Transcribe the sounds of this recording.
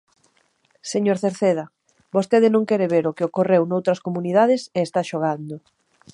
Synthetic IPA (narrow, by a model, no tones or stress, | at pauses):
seɲoɾθeɾθeð̞ɐ | bost̪eðɪnõŋkɛɾeβeɾʊkɪokorewnowt̪ɾɐskomunið̞aðɪseːst̪aʃoɣ̞and̪o